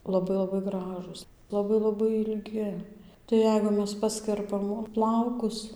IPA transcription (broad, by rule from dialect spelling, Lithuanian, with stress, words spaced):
lˠɐˈbɐɪ lˠɐˈbɐɪ ˈɡrɑːʒuːs lˠɐˈbɐɪ lˠɐˈbɐɪ ɪlʲˈɡʲɪ tɐɪ ˈjɛɪɡʊ ˈmʲɛs ˈpɑːsʲkʲɛrpɐm ˈplˠɐʊkʊs